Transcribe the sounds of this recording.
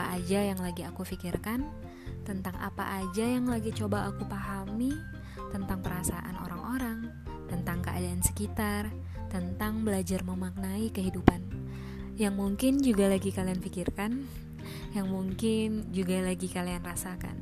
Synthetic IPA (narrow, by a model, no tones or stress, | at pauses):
aʔad͡ʒajaŋlaɡiakufikɪrkan | t̪ənt̪aŋʔa̰pa̰ʔad͡ʒajaŋlaɡit͡ʃobaʔːkupaɦami | t̪ənt̪aŋpəɾasaʔa̰no̰ɾaŋoɾaŋ | t̪ənt̪aŋkəʔa̰daːnsə̥kit̪ar | t̪ənt̪aŋbəlad͡ʒarməmak̚naikəɦidupan | jaŋmuŋkɪnd͡ʒuɡalaɡikalianfikɪrkan | jaŋmuŋkɪnd͡ʒuɡalaɡikalianrasaka̰n